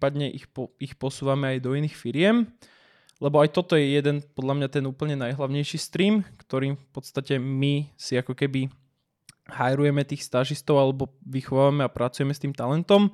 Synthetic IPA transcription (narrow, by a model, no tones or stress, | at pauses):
pad̪ɲɛʔiɔixpɔsuːʋamɛajd̪ɔiniːxfiɾɪɛm | lɛbɔajt̪ɔt̪ɔjɛjɛd̪ɛnpɔd̪ʎamɲat̪ɛnuːpl̩ɲɛnajɦlaʊɲɛjʃist̪ɾiːmkt̪ɔɾiːmfpɔt̪st̪acɛmisiakɔkɛbi | hajɾujɛmɛt̪iːxst̪aʒist̪ɔʊalɛbɔʋixɔʋaʋamɛapɾʔat͡sujɛmɛst̪iːmt̪alɛnt̪ɔm